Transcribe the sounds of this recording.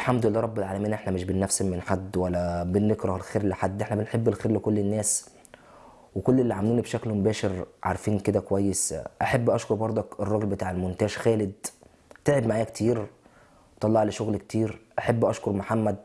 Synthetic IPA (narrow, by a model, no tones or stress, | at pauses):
lħamd̪olelːæɾˤɑbːelʕaːlæmiːnʔeħnæmeʃbenːæfsemːenħad̪ːwælːæbenːekɾɑhelxeːɾleħad̪ːʔeħnæbenħebːelxeːɾlekolːenːæːs | wekolːelːiʕamæluːnibʃæklmobæːʃeɾʕa̰ɾˤfiːnked̪ækowæjːesʔæħebːʔɑʃkoɾˤbɑɾˤd̪ˤɑkerˤːɑɡlbet̪aːʕelmont̪æːʒxæːled̪̚ | t̪eʕebmaʕaːjækt̪ʰiːɾ | t̪ˤːɑlːɑʕleʃoɣlkt̪ʰiːɾʔaħebːʔɑʃkoɾˤmoħamːæd̪̚